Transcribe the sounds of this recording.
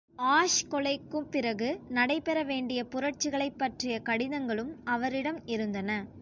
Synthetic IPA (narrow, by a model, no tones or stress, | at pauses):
aːʂkɔɭɐɪkːɯmpɪɾɐɣɯnɐɽɐɪpɛɾɐʋeːɳɖɪjɐpʊɾɐʈ̚t͡ʃːɯɣɐɭɐɪpːɐʈrɪjɐkɐɽɪðɐŋɡɐɭɯmɐʋɐɾɪɽɐmɪɾɯnd̪ɐnɐ